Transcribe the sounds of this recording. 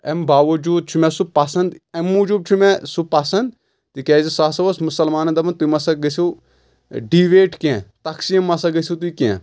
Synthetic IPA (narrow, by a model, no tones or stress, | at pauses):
ḛmbaːʋɐd͡ʒuːd̪̚t͡ʃʰumɛsupɐsɐ̃nd̪emːud͡ʒuːb̪̚t͡ʃʰumɛ̃supɐsɐ̃nd̪ | t̪ikɛːzisaːsɐʋɐsmusɐlmaːnɐnd̪ɐmɐnt̪uimɐsɐɡɐsi | ɖiːʋeːʈkẽːt̪ɐksiɐmːɐsɐɡɐsʲit̪̬uikḛ̃